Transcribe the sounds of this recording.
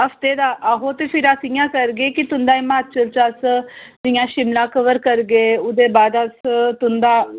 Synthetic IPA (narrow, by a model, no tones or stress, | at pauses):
ɐft̪eːd̪aːʔɐɦot̪epʰɪɾasijãːkəɾɡeːkit̪ʊnd̪aːimãːt̪t͡ʃəlt͡ʃasd̪ijãːʃɪmlãːkəʋəɾkəɾɡeːʊd̪eːbaːd̪ɐst̪ʊnd̪aː